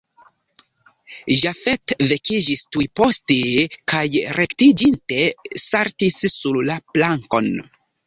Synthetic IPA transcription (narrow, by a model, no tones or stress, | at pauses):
ʒafetve̞kid͡ʒistujpo̞stekajɾe̞ktid͡ʒinte̞saɾtisːullaplaŋko̞n